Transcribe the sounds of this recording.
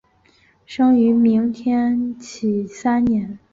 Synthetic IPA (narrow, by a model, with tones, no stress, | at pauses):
ʂɤ˥ŋy˧˥mi˧˥ŋt̪ʰjɛ˥nt͡ɕʰi˨˩sa˥nnjɛ˧˥n